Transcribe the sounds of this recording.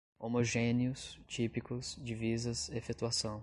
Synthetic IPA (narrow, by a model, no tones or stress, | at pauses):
omoʒẽniʊst͡ʃipikʊsd͡ʒivizɐsefet̪uasɐ̃w̃